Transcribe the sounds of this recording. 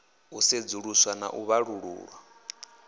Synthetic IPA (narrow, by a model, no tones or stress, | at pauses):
used͡zuɺuswana̰ʔuβaɺuɺṵːɺwa